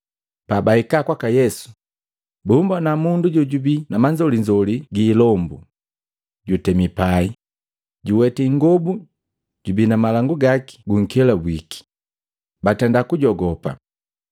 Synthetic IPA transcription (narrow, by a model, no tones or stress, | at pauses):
pabaikakwakajɛsu̥ | bumbanamunduɟɔɟubinamaɲd͡ʒɔliɲd͡ʒɔliɡiːlɔmbu | ɟutɛmipai | ɟuwɛtiŋɡɔbu | ɟ̥ubinamalaŋɡuɡaki̥ɡuŋ̩kɛlabwiki̥ | batɛndakuɟɔɡɔpa̰